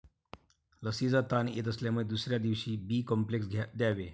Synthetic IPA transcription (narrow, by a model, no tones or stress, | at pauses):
ləsiːd͡zat̪anḛt̪əsljaməed̪usɾjad̪iʋɕiːbiːkɔmpleksɡʱad̪jaʋe